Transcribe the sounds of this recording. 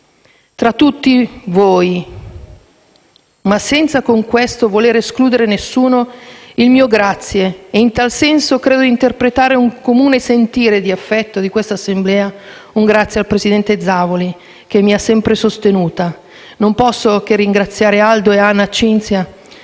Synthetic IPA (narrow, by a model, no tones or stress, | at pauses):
t̪ɾat̪ːut̪ːivoːj | masːɛnt̪sakoŋkwest̪ovoleːɾeskluːd̪eɾenesːuːnoilmiːoɡɾat̪sːjeːint̪alsɛnsokɾeːd̪oint̪erpɾet̪aːɾeuŋkomuːnesent̪iːɾed̪iafːɛt̪ːod̪ikwest̪asːemblɛːa | uŋɡɾat̪sːjealpɾesid̪ɛnt̪ed̪zaːvoli | k̟emːiasːɛmpɾesost̪enuːt̪a | nompɔsːok̟erːiŋɡɾat̪sːjaːɾeald̪oeanːat͡ʃint̪sja